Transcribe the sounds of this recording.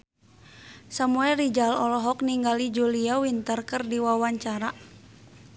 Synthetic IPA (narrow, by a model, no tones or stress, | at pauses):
samuɛlrid͡ʒalɔlɔɦɔk̚niŋɡalid͡ʒuliawint̪ərkərdiwawaɲt͡ʃaɾa